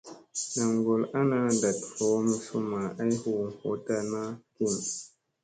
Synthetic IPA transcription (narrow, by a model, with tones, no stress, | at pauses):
na˨ŋɡo˨la˦na˦da˨tho˨˦mu˦su˦ma˨ʔa˦jhu˨ho̰˨˦ta˧na˦ki˦˨n